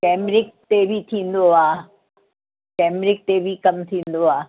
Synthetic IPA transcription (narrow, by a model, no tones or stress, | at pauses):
kɛːmɾɪk̚t̪ebʱit̪ʰĩːn̆d̪oaː | kɛːmɾɪk̚t̪ebʱikɐmt̪ʰĩːnd̪oaː